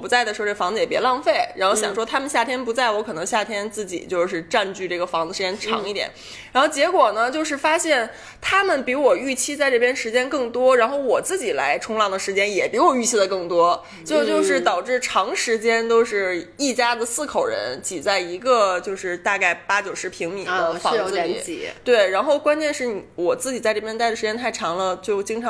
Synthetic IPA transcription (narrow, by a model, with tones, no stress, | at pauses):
pu˧˥t͡sa˥˩ɪd̪ə˩ʂɻ̩˧˥˧fɑ˧˥ŋd͡z̩˧jɛ˨˩pjɛ˧˥lɑ˥˧ŋfe˥˩ɪɻa˧˥nxo˥˧ʊɕɑ˨˩ŋʂwɔ˥t̪ʰa˥mə˨nɕja˥˩t̪ʰjɛ˥npu˧˥t͡sa˥˩ɪwɔ˥kʰɤ˨˩nɤ˧˥ŋɕja˥˩t̪ʰjɛ˥nt͡sɹ̩˥˩t͡ɕḭ˨˩t͡ɕjo˥˧ʊʂɻ̩˥˧ʈ͡ʂa˥˧nt͡ɕy˥˧ʈ͡ʂɤ˥˩ɡə˩fɑ˧˥ŋd͡z̩˧˩ʂɻ̩˧˥t͡ɕjɛ˥nʈ͡ʂʰɑ̰˧˥ŋi˥˩t̪jɛ̰˨˩˦n | ɻa˧˥nxo˥˩ʊt͡ɕjɛ˧˥kwɔ˨˩nə˦t͡ɕjo˥˧ʊʂ̬ɻ̩˥˩fa˥ɕjɛ˥˩n | t̪ʰa˥mə˨npi˧˥wɔ˨˩y˥˩t͡ɕʰi˥t͡sa˥˧ɪʈ͡ʂɤ˥˩pʰjɛ˥nʂɻ̩˧˥t͡ɕjɛ˥nkɤ˥˩ŋt̪wɔ˥ɻa˧˥nxo˥˩ʊwɔ˨˩t͡sɹ̩˥˩t͡ɕi˨˩la̰˧˥ɪʈ͡ʂʰʊ˥ŋlɑ˥˩ŋd̪ə˩ʂɻ̩˧˥t͡ɕjɛ˥njɛ˨˩pi˧˥wɔ˨˩y˥˩t͡ɕʰi˥d̪ə˨kɤ˥˩ŋt̪wɔ˥ | t͡ɕjʊt͡ɕjo˥˧ʊʂɻ̩˥˩t̪ɑ˨˩ʊʈ͡ʂɻ̩˥˩ʈ͡ʂʰɑ˧˥ŋʂɻ̩˧˥t͡ɕjɛ˥nt̪o˥ʊʂɻ̩˥˧i˥˩t͡ɕja˥d̪ə˨sɹ̩˥˩kʰo˨˩ʊɻə̰˧˥nt͡ɕi˨˩t͡sa˥˩ɪi˧˥ɡə˧t͡ɕjo˥˧ʊʂɻ̩˥˧t̪a˥˧ka˥˩ɪpa˥t͡ɕjo˨˩ʊʂɻ̩˧˥pʰi˧˥ŋmi˨˩dd̪ə˦fɑ̰˧ŋɹ̰t̪we˥˩ɪɻa˧˥nxo˥˩ʊkwa˥nt͡ɕjɛ˥˧nʂɻ̩˥˩ni˨˩wɔ˨˩t͡sɹ̩˥˩t͡ɕi˨˩t͡sa˥˧ʈ͡ʂɤ˥˩pʰjnt̪a˥˩ɪd̪ə˩ʂɻt͡ɕjɛ˥nt̪ʰa˥˩ɪʈ͡ʂʰɑ˧˥ŋlə˧t͡ɕjo˥˩ʊt͡ɕi˥ŋʈ͡ʂʰɑ˧